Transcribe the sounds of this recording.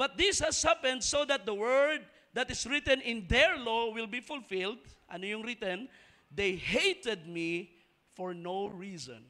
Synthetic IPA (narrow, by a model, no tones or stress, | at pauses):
b̥ɐt̪̚d̪ɪshɛshapɛ̃nd̪̚sod̪ɐt̪̚d̪ɐwɜɹd̪̚ | d̪ɐt̪ɪsɹɪt̪ɛ̃nɪ̃nd̪ɛɹlowɪlbifʊlfɪld̪ʔɐ̰nojʊŋɾɪt̪ɛ̃n | d̪ejhejt̪ɛd̪̚mi | fɔɹnoɹiːsɔ̰̃n